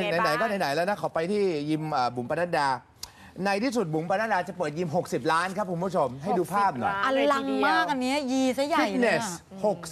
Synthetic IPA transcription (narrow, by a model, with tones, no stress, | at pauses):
na˧jna˨˩˦jkɔː˥˩na˨˧˦jna˩˦jlɛ˦˥wna˦˥kʰa˩˦wpa˧jt̪ʰiː˥˩ji˧mʔəː˨˩bu˨˩˦mpa˧naː˥˩ndaː˧ | na˧jt̪ʰiː˥˩su˨˩t̪̚bu˩˦mpa˧na˦˥˩daː˧t͡ɕa˨˩pɤː˨˩t̪̚ji˧mɦo˨˩k̚si˨˩p̚laː˦˥nkʰa˦˥p̚ku˧˦mpʰu˦˥˩t͡ɕʰo˧mɦa˥˩jduː˧pʰaː˥˩p̚nɔ̰˨˩jʔa˧la˧ŋmaː˥˩k̚ʔa˧nːi˦˥ɐjiː˧sa˦˥jːai˧˩jt̪̚ne˨˩s | ho˨˩k̚